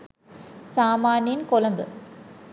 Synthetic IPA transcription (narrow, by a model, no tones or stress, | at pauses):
saːmaːnijɪnkɔlɐmbɨ